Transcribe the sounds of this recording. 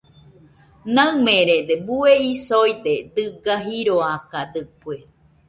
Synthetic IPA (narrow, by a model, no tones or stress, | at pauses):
nãmẽɾed̪ebueisojd̪ed̪ɨɡaɦiɾoakad̪ɨpue